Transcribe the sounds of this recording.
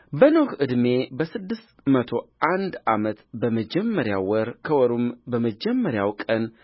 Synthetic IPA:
bənohɨd̪me̞bəsɨd̪ːɨst̪mət̪ʰo̞ʔand̪ʔamət̪bəməd͡ʒɛmːəɾjawwɔɾkʰəwɔɾumbəməd͡ʒɛmːəɾjawkʼən

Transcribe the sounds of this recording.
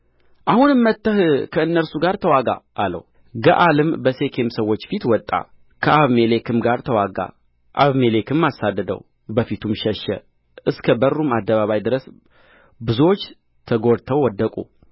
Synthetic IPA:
ʔahunɨmːət̪ːəhkʰəɨnːəɾsuɡaɾt̪ʰəwaɡa̰ʔalə̰w | ɡə̰ʔalɨmbəse̞kʰe̞msəwːot͡ʃːfit̪wɔt̪ʼːa̰ | kʰəʔaβmelekʰɨmɡaɾt̪ʰəwaɡa̰ | ʔaβmelekʰɨmːasad̪ːəd̪ə̰w | bəfit̪ʰumʃɛʃːɛ̰ | ʔɨskʰəbərːumad̪ːəβaβajd̪ɨɾəs | bɨzuwot͡ʃː | t̪ʰəɡo̞ɾt̪ʰəwwːɔd̪ːəkʼṵ

